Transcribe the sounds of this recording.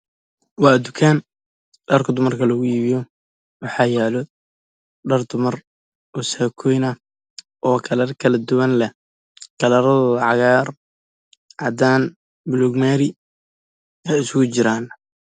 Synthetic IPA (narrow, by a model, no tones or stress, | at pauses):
wɑːd̪ʊkʰaːn | ɖɐrkʰɐd̪ʊmɐrkʰɐlɐɣʊiːβɪjɔ | wɑħɑːjɛlɔ | ɖɐrd̪ʊmɐr | ɔsaːkʰɔjnɐ | ʔɔːkʰɐlɐrkʰɐlɐd̪ʊwɐnlɛ | kʰɐlɐɾɐðlʕɑɣaːr | ʕɑd̪aːn | bʊluɡmɛːɾɪ | ɛjɪskʊt͡ʃɪɾaːn